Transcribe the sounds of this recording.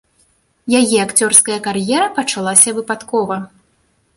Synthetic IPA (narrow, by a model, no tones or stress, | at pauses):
jajɛakt͡sʲɔrskɐjɐkarjɛɾɐpɐt͡ʂalˠasʲɐvɨpat̪kɔvɐ